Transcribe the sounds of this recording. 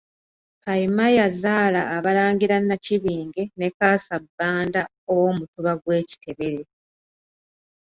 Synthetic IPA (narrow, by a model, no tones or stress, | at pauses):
paimajazaːlaːβalaːŋɡiɾanːaciβiːŋɡe̞ne̞kaːsabːaːnda | owo̞mutuβaɡwe̞ːci̥te̞βe̞ɾe̞